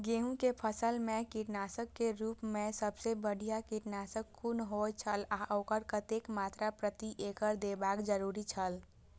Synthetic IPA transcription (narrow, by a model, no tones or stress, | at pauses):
ɡeɦũkepʰəsəlmekiʈnasəkːeɾupmesəbsebəɽ̤ʱijakiʈnasəkkːunɦojt͡ʃʰəlaʔokəɾkət̪ekmat̪ɾapɾət̪iʔekəɾd̪ebakd͡ʒəɾuɾit͡ʃʰəl